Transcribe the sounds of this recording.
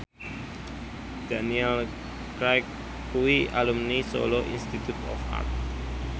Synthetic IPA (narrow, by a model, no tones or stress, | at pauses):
d̥aniɛl | kɾajkː | uialumniso̰loʔḭnst̪it̪ut̪ʰɔ̰fa̰rt̪̚